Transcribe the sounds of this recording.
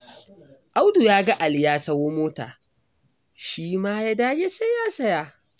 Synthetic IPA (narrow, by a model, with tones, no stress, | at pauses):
ʔa˦wdu˨jaː˦ɡa˦ʔa˨ljaː˦sɐ˦woː˦moː˦ta̰ː˨ | ʃiː˦maː˦jaː˦daː˦ja˦se˦jaː˦sɐ˦jaː˨